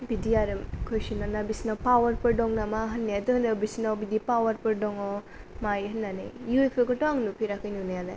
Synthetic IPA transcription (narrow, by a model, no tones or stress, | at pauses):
bidiaɾɯkʰojsinanabisinapawɐɾpɯɾdɔŋnamaɦɐnːeatuhɐnebisinawbidipawɐɾpɯɾdɔŋɔ | majɦɐnːanḛjuepʰekɔtɔaŋlupʰiɾakʰɯjnunajada̰j